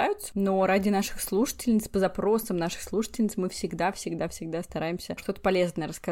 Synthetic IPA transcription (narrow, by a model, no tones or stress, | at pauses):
ajʊt̪sə̥no̞ɾadʲɪnaʂɨ̥xslˠuʂɨ̥tʲɪlʲnʲɪt̪spəzɐpɾo̞səmnaʂɨ̥xslˠuʂɨ̥tʲɪlʲnʲɪt̪smɨfsʲɪɡd̪afsʲɪɡd̪afsʲɪɡ̚d̪ast̪ɐɾajɪmsʲəʂt̪o̞t̪ə̥pɐlʲe̞znəjəɾəskɐ